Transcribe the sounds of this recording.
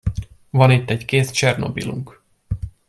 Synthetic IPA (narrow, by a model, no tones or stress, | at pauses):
vɒnit̪ːɛckeːst͡ʃɛrno̞̰bḭlṵŋk